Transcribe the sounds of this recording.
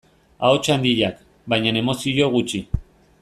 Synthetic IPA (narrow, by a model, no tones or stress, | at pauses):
a̰ot͡ʃand̪iʎak | bajɲane̞mo̞sio̞ɣut͡ʃi